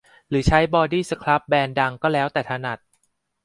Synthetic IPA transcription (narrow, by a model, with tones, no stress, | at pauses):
ɾɯː˩˦t͡ɕʰa˦˥jbɔː˧diː˥˩sa˧kʰla˦˥p̚bɛː˧nda˧ŋkɔː˥˩lɛː˦˥wt̪ɛː˨˩t̪ʰa˧na˨˩t̪̚